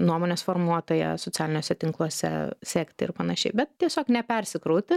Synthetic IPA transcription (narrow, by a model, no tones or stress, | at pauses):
nuɔmoːnʲeːsfoːrmuɔt̪oːjɛ̰sot͡sʲæːlʲɪnʲoːsʲɛt̪ʲɪŋklˠuɔsʲɛ̰sʲekt̪ɐɪrpɐnɐʃʲɛɪbʲɛt̪̚t̪ʲiɛsʲoːknʲɛpʲɛɾʲsʲɪkɾoʊt̪ʲɪ